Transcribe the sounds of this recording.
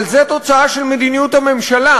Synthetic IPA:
lzet̪o̞t͡saaʃe̞lmed̪inijut̪hame̞mʃala

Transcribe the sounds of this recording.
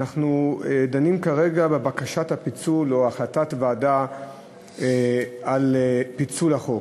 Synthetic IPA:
naχnuedanimkaʁe̞ɡabebakaʃathapit͡sulo̞aχlatatvaːda | alpit͡sulaχo

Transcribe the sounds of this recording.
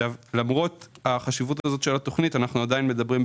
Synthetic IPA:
avlamʁo̞taχaʃivutazo̞tʃelato̞χnitanaχnuadajinme̞dabʁim

